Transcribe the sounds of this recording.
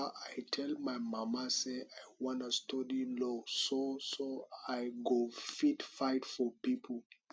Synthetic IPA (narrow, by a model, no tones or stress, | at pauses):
ʔajtʰɛlmajmamaseajwɔ̃nastʰɔdilososoajɡofitfaɪtfɔpipʰl